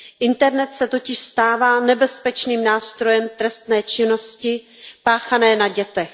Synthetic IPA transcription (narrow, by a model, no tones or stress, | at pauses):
ʔɪnt̪ɛɾnɛt̪sɛt̪o̞cɪʃst̪aːvaːnɛbɛspɛt͡ʃniːmnaːst̪ɾo̞jɛmt̪ɾɛst̪nɛːt͡ʃɪno̞scɪ | paːxanɛːnaɟɛt̪ɛx